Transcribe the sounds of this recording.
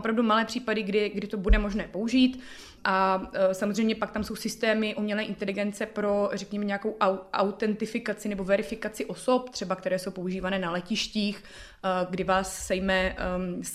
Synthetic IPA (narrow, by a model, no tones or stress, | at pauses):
opɾavdumalɛːpr̝̥iːpadɪɡdɪɡdɪt̪o̞budɛmo̞ʒnɛːpo̞uʒiːt̪ | ʔasamozrɛjmɲɛpak̚t̪amso̞wsɪst̪ɛːmɪʔumɲɛlɛːʔɪnt̪ɛlɪɡɛnt͡sɛpɾo̞rɛkɲɛmɛɲɛako̞wʔawʔa̰wt̪ɛnt̪ɪfɪkat͡sɪnɛbo̞vɛɾɪfɪkat͡sɪʔo̞so̞p̚t̪r̝̥ɛbak̚t̪ɛɾɛːso̞wpo̞uʒiːvanɛːnalɛcɪʃciːx | ɡdɪvaːsːɛjmɛs